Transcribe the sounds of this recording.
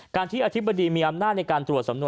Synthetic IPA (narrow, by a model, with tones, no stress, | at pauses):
kaː˧nt̪ʰiː˥˩ʔa˧t̪ʰi˦˥ba˧diː˧miː˧ʔa˧mnaː˥˩t̪̚na˧jkaː˧nt̪ɾu˨˩ət̪sa˩˦mnu˧